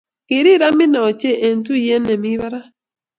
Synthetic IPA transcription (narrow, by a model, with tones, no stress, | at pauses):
ki˨ɾi˦ɾa˦mi˦na˨ɔ˨t͡ʃɛ˦ʔe˨n˦tu˦˨ɛ˦nɛ˨mi˦βa˦ɾa˦